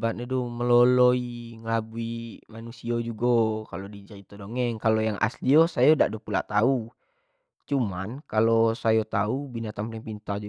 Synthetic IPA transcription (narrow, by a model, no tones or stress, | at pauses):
bat̪̚ɲadoməloloiŋəlabuimanusiod͡ʒuɡokalodid͡ʒait̪odoŋɛŋkalojaŋʔa̰sliosajoda̰ʔdohpula̰ʔt̪au | t͡ʃuma̰nkalosajot̪aubinat̪ampɾiŋpint̪ad͡ʒu